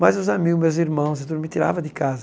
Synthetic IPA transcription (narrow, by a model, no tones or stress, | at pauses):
mɐzuzamiɡʊmewziɾmɐ̃w̃zed̪uɾmɪt̪iɾa̰vɐd̪ɪkazɐ